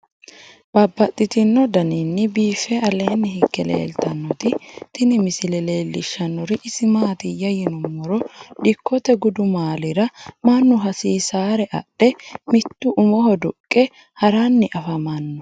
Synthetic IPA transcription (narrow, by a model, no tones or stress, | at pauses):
b̥ɐbːɐt̪ʼːɪt̪ɪnːɔd̪ɐninːɪbiːfɛʔɐleːnːɪɦɪkːɛlḛːlt̪ɐnːɔt̪ɪt̪ɪnɪmɪsɪlɛle̞ːlːɪʃːɐnːɔɾɪʔɪsɪmaːt̪ɪjɐjɪnʊmːɔɾɔd̪ɪkːɔt̪ɛɡʊd̪ʊmaːlɪɾɐmɐnːʊɦɐsiːsaːɾɛʔɐ̰ɗːɛmɪt̪ːʊʔʊmɔhɔd̪ʊkʼːɛ | hɐɾanːɪʔɐfɐmɐnːɔ